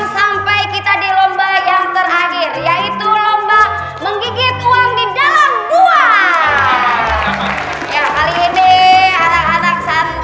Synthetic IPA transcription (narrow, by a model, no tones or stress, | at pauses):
ŋsampajkit̪adilombahjaŋt̪ərhahɪrjait̪ulomba | məŋɡiɡɪt̪̚uaŋdidalamkua | jakaliːnianakanak̚san